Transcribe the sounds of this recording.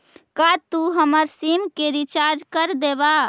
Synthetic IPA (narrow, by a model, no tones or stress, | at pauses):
kat̪uɦəməɾsimkeɾit͡ʃaɾd͡ʒkəɾd̪eba